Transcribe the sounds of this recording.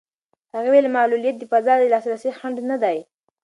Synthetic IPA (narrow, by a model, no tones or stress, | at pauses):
haɣewelmɑlulijat̪̚d̪əfazɑd̪əlɑsɾasexaɳɖnad̪aj